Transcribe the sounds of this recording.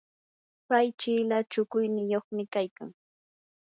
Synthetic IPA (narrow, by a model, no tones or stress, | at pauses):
pajt͡ʃɪːlat͡ʃʊkʊjnɪjoχmɪkajka̰ŋ